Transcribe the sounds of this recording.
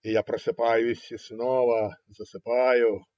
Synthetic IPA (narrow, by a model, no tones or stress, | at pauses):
ɪjapɾɐsɪpɑjʊisʲisnɔʋɐzɐsɪpɑjʊ